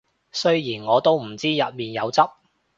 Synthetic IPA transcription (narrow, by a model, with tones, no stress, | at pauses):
sɵ˥ɥjiː˨˩nŋɔː˨˧t̪o˥wm̩˨˩t͡siː˥jɐ˨t̚miː˨njɐ˨˧wt͡sɐ˥p̚